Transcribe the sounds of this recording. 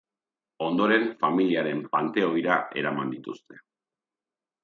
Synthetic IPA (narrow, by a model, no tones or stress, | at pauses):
o̞nd̪o̞ɾe̞ɱfamiliaɾe̞mpant̪e̞o̞jɾae̞̰ɾamand̪it̪ust̪e̞̥